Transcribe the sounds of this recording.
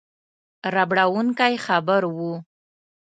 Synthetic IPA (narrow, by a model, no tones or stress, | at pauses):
ɾabɽawuŋkajxabəɾwu